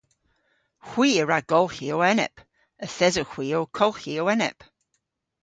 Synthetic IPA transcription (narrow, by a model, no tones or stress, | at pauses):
hw̥iːəɹaɡ̥ɔlˠhiowɛnɛ̰p | əθɛzoxw̥iːokʰɔlˠxiowɛnɛ̰p